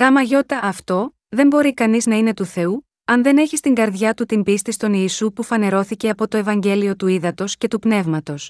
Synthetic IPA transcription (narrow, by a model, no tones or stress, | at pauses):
ɣɐmɐʝo̞t̪ɐːft̪o̞ | ðe̞mbo̞ɾikɐniznɐine̞t̪uθe̞u | ɐnðe̞ne̞çist̪iŋɡɐɾðʝɐt̪ut̪imbist̪ist̪o̞niːsupufɐne̞ɾo̞θice̞ɐpo̞t̪o̞e̞vɐɲɟe̞lio̞t̪uiðɐt̪o̞sce̞t̪upne̞vmɐt̪o̞s